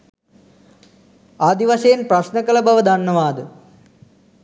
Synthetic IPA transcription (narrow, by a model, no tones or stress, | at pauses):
aːd̪iʋɐsejːnprɐʃnɐɡɐlɐbɐʋɐd̪ʱɐɳnːɐʋaːd̪ɨ